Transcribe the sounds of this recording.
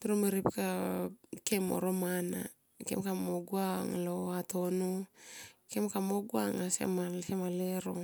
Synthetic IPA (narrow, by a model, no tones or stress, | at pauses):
tuɾomeɾipka | kemo̰ɾomana̰ | kḛmkamoɡwaŋaloatono | kemkamoɡwaŋasḛmasemaleɾo̰